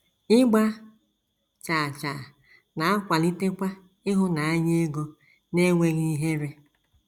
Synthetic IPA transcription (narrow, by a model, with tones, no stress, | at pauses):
ɪ˦ɡ͡ba˦ | t͡ʃa˨t͡ʃa˨ | na˨a˦kʷa˨li˦te˦kʷa˦ | ɪ˦ɦʊ˦na˨a˦ɲe˦e˦ɡo˦ | ne˦ŋʷe˦ɣi˦i˦ɦe˦ɾe˦